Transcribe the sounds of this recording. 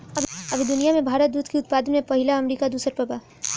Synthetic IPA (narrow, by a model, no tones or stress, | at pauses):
ɐɐbʱid̪ʊnijamẽbʱaːɾət̪̚d̪uːt̪ʰkiʊt̪̚paːd̪ənmẽpɐɦɪlaɐmɾiːkad̪uːsəɾpɾɐba